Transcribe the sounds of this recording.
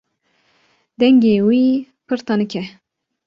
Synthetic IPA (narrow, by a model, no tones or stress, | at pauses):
d̪ɛŋɡewiː | pʰɨɾt̪ɑnɨkʲʰɛ